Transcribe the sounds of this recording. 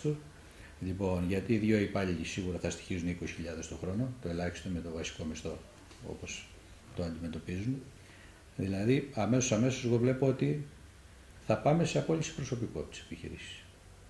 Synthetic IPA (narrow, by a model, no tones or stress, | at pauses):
t̪o | ʎipo̞nʝɐt̪iːðʝo̞ipɐʎiisiɣuɾɐθɐst̪i̥çizunikosi̥çiʎɐðe̞st̪o̞xɾo̞no̞t̪oe̞lɐçi̥st̪ome̞t̪o̞vɐsi̥ko̞mist̪o̞ | o̞̰po̞s | t̪oɐnd̪ime̞t̪o̞pizun | ðilɐðiɐme̞sosɐme̞soseɣo̞vle̞po̞ot̪i | θɐpɐme̞seɐpo̞ʎisi̥pɾo̞so̞piko̞t̪e̥se̥piçḭɾḭsi̥ss